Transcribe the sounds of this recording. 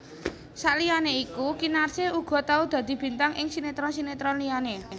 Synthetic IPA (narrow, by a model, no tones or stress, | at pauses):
saʔlijaneikukinarseuɡ̥ɔ̤t̪aud̪̥a̤d̪̥i̤b̥i̤nt̪aŋʔɪŋsinet̪ɾɔsinet̪ɾɔnlijane